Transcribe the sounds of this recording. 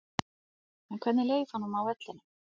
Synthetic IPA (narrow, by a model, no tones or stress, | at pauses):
ɛnkʰvɛt̪nɪleːjfanːumawvɛt̪lɪnɪ